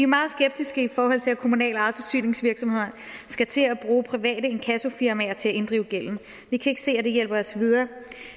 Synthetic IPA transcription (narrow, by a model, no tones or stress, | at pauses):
ʋimɑ̈ːð̞̩ˠsɡ̥eb̥̚d̥isɡ̥əifɒːɦɒ̽l̰t͡sʰe̝lækʰo̝munɛ̰ːlɑ̈ð̩ˠfɒ̽sy̰ːne̝ŋsʋiɐɡ̥sɒ̽mhe̝ð̞̰ˠɐ | sɡ̥æt͡sʰe̝æb̥ʁuːpʰʁiʋɛ̰ːd̥əe̝nkʰæso̝fiɐmæɐt͡sʰe̝æe̝nd̥ʁiʊɡ̥el̰n̩ | ʋikʰæe̝ɡ̥ə̥se̝̰ːæd̥e̝jel̰b̥ɐɒ̽sʋið̞ˠɐː